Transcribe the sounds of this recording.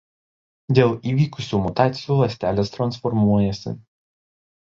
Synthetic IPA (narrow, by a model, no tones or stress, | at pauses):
d̪ʲeːlˠiːʋʲiːkʊsʲuːmʊt̪ɑːt̪sʲɪjuːlˠɐsʲt̪ʲæːlʲeːst̪ɾɐnsfɔɾmuɔjɛsʲɪ̰